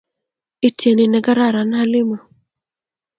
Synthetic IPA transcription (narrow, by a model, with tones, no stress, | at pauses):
ɪ˦tʰje˨nɪ˨nɛ˨ɡa˦ɾa˦˨ɾa˨nha˦lɪ˦ma˨